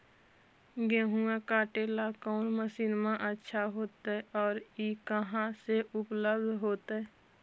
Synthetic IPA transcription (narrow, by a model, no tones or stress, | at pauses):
ɡẽːɦũãkaːʈeːlakɔːnməsiːnmãʔətːʃʰaɦoːt̪aɛɔːɾiːkəɦãseʔʊpləbd̪ʱɦoːt̪ɛ